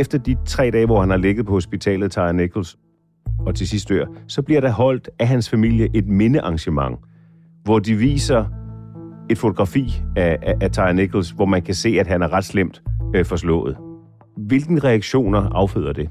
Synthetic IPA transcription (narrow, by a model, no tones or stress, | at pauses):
efd̥ɐd̥it͡sʰʁɛ̰ːd̥ɛːʋɒhænhɑ̈leɡ̥ð̞̩ˠpʰɒ̽ho̝sb̥it͡sʰɛ̰ːlð̩ˠt͡sʰɑ̈ɪneɡ̥ʰl̩s | ɒ̽t͡sʰe̝sisd̥ø̰ɐ̰sɒ̽b̥liɐɾ̥ɑ̈ɦɒ̽l̰d̥æɦænsfæmil̰jəʔe̝d̥̚me̝nəʔɑ̈ŋɕəmɑ̈ŋ | ʋɒd̥iʋḭːsɐ | e̝d̥fo̝t͡sʰo̝ɡ̥ʁɑ̈fḭːææt͡sʰɑ̈ɪneɡ̥ʰl̩sʋɒmænkʰæse̝̰ːæd̥ɦænæɐʁɑ̈d̥slem̰d̥fɒslɔ̰̽ːð̩ˠ | ʋe̝lɡ̥n̩ʁɛæɡ̥ɕo̝̰ːnɐʔɑ̈ʊfø̰ð̰ˠɐd̥e̝